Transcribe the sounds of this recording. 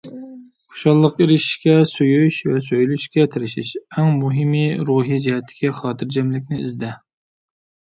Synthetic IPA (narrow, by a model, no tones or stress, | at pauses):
ʊ̥ʃɑlˠːəqiɾɪʃʃkʲɛsojyʃvɛsøjlyʃkʲɛt̪ʰɪɾɪʃiʃɛŋmuɦɪmiɾuːɦid͡ʒiɦɛt̪ʰːɪ̥kʲiχɑːt̪ʰɨɾd͡ʒɛmlɪkʲnɪḭzd̪ɛ